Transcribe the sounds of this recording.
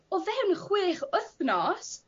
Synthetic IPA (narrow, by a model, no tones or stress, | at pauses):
ɔvɛwnəχwɪːχəθnɔs